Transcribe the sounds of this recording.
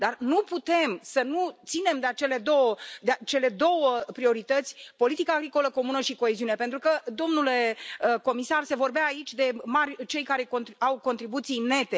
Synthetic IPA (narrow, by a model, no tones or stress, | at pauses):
d̪arnuput̪e̞msənut̪sine̞md̪eat͡ʃele̞d̪o̞wəd̪eat͡ʃe̞le̞d̪o̞wəpɾio̞ɾit̪ət̪sʲpo̞lit̪ikaːɡɾiko̞ləko̞munəʃiko̞e̞ziune̞pent̪ɾukəd̪o̞mnule̞əko̞misarse̞vo̞rbeaːit͡ʃʲd̪e̞marʲt͡ʃe̞jkaɾe̞kont̪awko̞nt̪ɾibut̪sine̞t̪e̞